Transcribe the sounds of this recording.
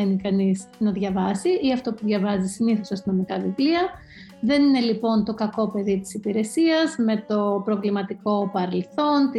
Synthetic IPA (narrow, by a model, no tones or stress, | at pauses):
enikɐniznɐðʝɐvɐsiiɐft̪o̞puðʝɐvɐzisiniθo̞sɐst̪ino̞mikɐvivliɐ | ðe̞nine̞lipo̞nt̪o̞kɐko̞pe̞ðit̪i̥sipiɾe̞siɐzme̞t̪o̞pɾo̞vlimɐt̪iko̞pɐɾe̞lθo̞nt̪i